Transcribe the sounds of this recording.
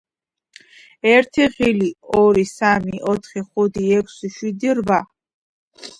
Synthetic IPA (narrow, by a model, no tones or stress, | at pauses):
ɛɾt̪ʰiʁiliɔɾisamiʔɔt̪ʰχiχud̪iɛkʰʷsiʃwid̪iɾva